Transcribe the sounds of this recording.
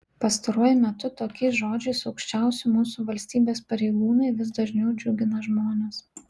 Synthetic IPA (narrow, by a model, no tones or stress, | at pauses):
pɐst̪ɐɾuɔjʊmʲɛt̪ʊt̪oːkʲɛɪsʒoːd͡ʒʲɛɪsɐʊkʃʲt͡ʃʲɛˑʊsʲʊmuːsuːʋɐlʲsʲt̪ʲiːbʲeːspɐɾʲeɪɡuːnɐɪʋʲɪsd̪ɐʒʲnʲɛʊd͡ʒʲʊɡʲɪnɐʒmoːnʲes